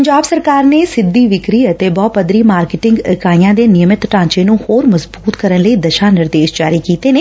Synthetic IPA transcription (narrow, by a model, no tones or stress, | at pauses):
əɲd͡ʒaːbsəɾkaːɾneːsɪd̪ːiːʋɪkɾiːət̪eːbɔːpəd̪ɾiːmaːɾkɪʈɪŋɡɪkaːijãːd̪eːnɪjəmɪt̪ʈãːt͡ʃeːnũːhoːɾməzbuːt̪kəɾənləiːd̪əʃaːnɪɾd̪eːʃd͡ʒaːɾiːkiːt̪eːneː